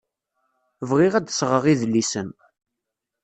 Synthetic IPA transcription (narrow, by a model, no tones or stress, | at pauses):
vʁɪʁæd̪sʁəʁiðlːisən